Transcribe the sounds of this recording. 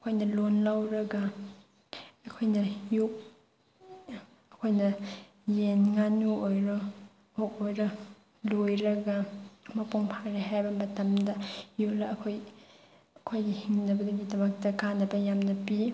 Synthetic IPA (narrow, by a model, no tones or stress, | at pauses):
ɐkʰojnɐlonlawɾɐɡɐ | kʰojnɐjuk̚ | ɐkʰojnɐ | jenŋanuojɾo | okojɾɐ | lojɾɐɡɐmɐpuŋpʰaɾiɦajbɐmɐtɐmdɐjulɐːkʰoj | ɐkʰojɡihiŋnɐbɐdɐɡidɐmɐk̚tɐkanːɐbɐjamnɐpi